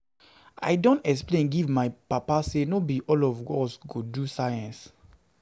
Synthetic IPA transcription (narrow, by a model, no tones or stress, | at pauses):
ʔa̰ɪdõntɛksplẽnɡivmaɪpapasenobiʔɔlɔvɡɔsɡodusajãns